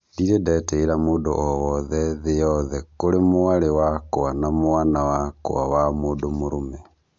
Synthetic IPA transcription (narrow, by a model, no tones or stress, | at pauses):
diɾedɛtɛiɾamoːdo̰ʔɔwɔðɛðejɔðɛkoɾemoaɾewakowanamoanawako̰awamoːdomoɾomɛ